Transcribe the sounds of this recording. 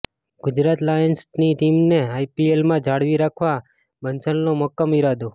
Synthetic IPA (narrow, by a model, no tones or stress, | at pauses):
ɡ̥ʊd͡ʒɾat̪lajənsniʈimneajpielmãd͡ʒʱaɽʋiɾakʰʋa | bənt͡ʃənnoməkːəmiɾad̪o